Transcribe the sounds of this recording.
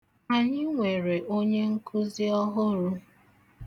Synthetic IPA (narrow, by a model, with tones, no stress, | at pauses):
a˨ɲɪ˦ŋʷe˨ɾe˨ʔo˦ɲe˦ŋ̩˦kʰʊ˦zi˦ɔ˦ɦʊ˦ɾʊ˦